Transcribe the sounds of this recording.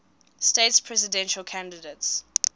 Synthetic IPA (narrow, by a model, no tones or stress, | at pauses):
stetspʰɹɛzɪdɛ̃nʃəlkʰãndədets